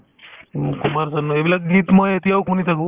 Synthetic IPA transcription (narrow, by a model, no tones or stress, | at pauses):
kumaɾsɔnuebilak̚ɡit̪mɔjet̪iawkunit̪ʰaku